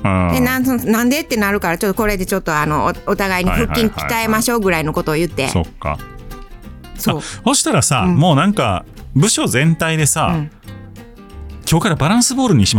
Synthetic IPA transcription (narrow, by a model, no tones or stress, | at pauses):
d̪enãsonnãnd̪e̞t̪ːe̞naɾɯ̟kaɾat͡ɕo̞t̪ːko̞ɾe̞d̪e̞t͡ɕo̞t̪ːo̞ano̞ot̪aɡaiɲ̟iɸɯ̟kʲːĩŋkʲi̥t̪aemaɕo̞ːɡɯ̟ɾaino̞ko̞t̪o̞ːjɯ̟t̪ːe̞̰so̰kːa̰ | soaːso̞ɕi̥t̪aɾasãmo̞ːnãŋka̰ | bɯ̟ɕo̞zẽ̞nt̪aid̪e̞saɯ̃ | kʲo̞ːkaɾabaɾãɰ̃sɨbo̞ːɾɯ̟ɲ̟iɕima